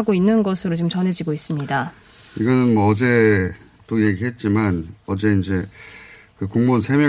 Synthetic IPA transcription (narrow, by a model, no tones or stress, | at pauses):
aɡoinːɯnɡʌsʰɯɾot͡ɕimt͡ɕʌnɦe̞d͡ʑiɡois͈ɯmɲida | iɡʌnɯnmʌʌd͡ʑe̞ | t͈oje̞ɡiɦe̞t̚t͡ɕ͈imanʌd͡ʑe̞ind͡ʑe̞ | kɯkuŋmonsʰemjʌ